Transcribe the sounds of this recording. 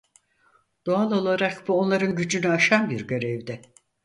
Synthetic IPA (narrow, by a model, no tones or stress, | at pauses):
d̪̥oalˠo̞lˠaɾakbuo̞nlˠaɾɯnɟyd͡ʒynyaʃanbiɾɟø̞ɾɛvd̪ɛ